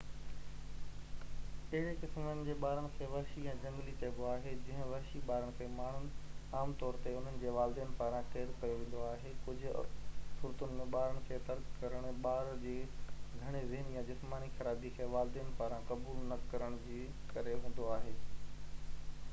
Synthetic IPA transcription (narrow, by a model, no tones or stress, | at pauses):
ɐɦɪɽekɪsmənɪ̆d͡ʑeːɓaːɾəɽɪ̆kʰeːʋɐɦʃiɛ̃ːd͡ʑɐ̃ŋɡlit̪eːɡoaːɦed͡ʑɐ̃ɦɪ̃ʋɐɦʃiɓaːɾəɽ̃ɪ̆kʰeːmaːɳ̤ʊnaːmt̪ɔːɾt̪eʊn̤ənɪ̆d͡ʑeːʋaːld̪iːənɪ̆paːɾãkeːɾkɐjoʋẽːn̆d̪oaːɦekʊd͡ʑʱʊ̆sʊɾt̪ʊnɪ̆mẽɓaːɾəɽ̃ɪ̆kʰeːt̪ɐɾkkɐɾəɽ̃ɓaːɾd͡ʑeːɡʱɐɽ̃ezɪɦnjãd͡ʑɪsmaːnixɐɾaːd̪ikʰeːʋaːld̪ijənɪ̆paːɾãkɐbuːlnɐkɐɾəɽ̃d͡ʑeː | kɐɾeɦũːn̆d̪oaːɦeː